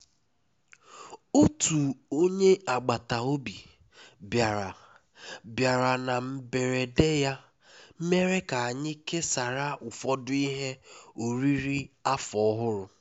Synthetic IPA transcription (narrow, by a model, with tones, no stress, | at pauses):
o˦tu˨o˦ɲe˦a˨ɡ͡ba˨ta˨o˦bi˨ | bja˨ɾa˨ | bja˨ɾa˨na˨m̩˨be˨ɾe˨de˦ja˦ | m̩˦me˦ɾe˦ka˨a˨ɲɪ˦ke˦sa˨ɾa˦ʔʊ˨fɔ˦dʊ˦i˦ɦe˦o˨ɾi˦ɾi˦a˦fɔ˦ɦʊ˦ɾʊ˨